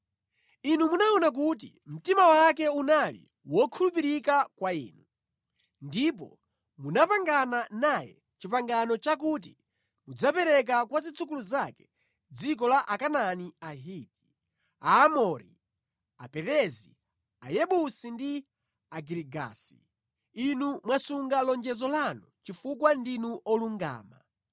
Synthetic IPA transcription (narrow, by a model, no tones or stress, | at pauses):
inumunaɔnak̬ut̬ḭm̩timawakɛunalḭ | wɔkʰulup̬iɾikakwaḭːnu | ndipɔ̰ | munapaŋɡananajɛ̰ | t͡ʃipaŋɡanɔt͡ʃak̬ut̬i | mud͡zapɛɾɛk̬akwazit͡sʰuk̬uluzakɛ̥ | d͡zik̬ɔlaʔakananiaɦiki̥ | aːmɔɾḭ | apɛɾɛzḭ | ajɛɓusindi | aɡiɾiɡa̰ːsḭ | inumwasuŋɡalɔnd͡ʒɛzɔlanut͡ʃifukwandinuʔɔluŋɡa̰ːma̰